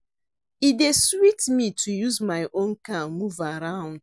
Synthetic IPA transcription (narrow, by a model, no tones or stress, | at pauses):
ideswitmitʰujuzmaɪʔõnkamuvaɾãʊ̃nd